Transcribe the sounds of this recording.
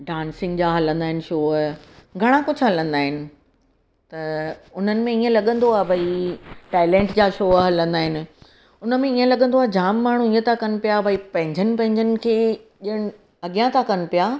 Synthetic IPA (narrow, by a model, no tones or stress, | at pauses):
ɖãːnsɪ̃ŋɡd͡ʑaːɦɐlə̃nd̪aːɦɪnɪ̆ʃoːɡʱɐɽ̃akʊd͡ʑʱɦɐlə̃nd̪aːɦɪnɪ̆ | t̪ɐʊn̤ənɪ̆mẽiːə̃lɐɠə̃n̆d̪oaːɦbʱɐiʈaːɪlẽːɳʈd͡ʑaːʃoːɦɐlə̃nd̪aːɦɪnɪ̆ | ʊnə̆mẽiə̃lɐɡə̃nd̪oaːd͡ʑaːmːaːɳ̤ũiːə̃t̪ʰakɐnɪ̆pijabʱɐipɐ̃ɦɪ̃ɲd͡ʑənɪ̆pɐ̃ɦɪ̃ɲd͡ʑənɪ̆kʰeːʄiəɽ̃ɪ̆ | ɐɠijãt̪ʰakɐnɪ̆pijaː